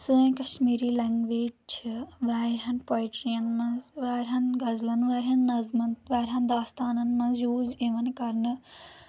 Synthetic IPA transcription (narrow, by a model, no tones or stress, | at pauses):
sɨ̃kɐʃmiːɾiːlɛːŋɡʋeːd͡ʒt͡ʃʰʋaːɾɦɐnpoːjʈɾijɐnmɐzʋaːɾʲɦɐnɡɐzlɐnʋaːɾɦɐnːɐzmɐnt̪ʋaːɾʲɦɐnd̪aːst̪aːnɐnmɐ̃njuːd͡ʒĩʋɐnkɐɾnɨ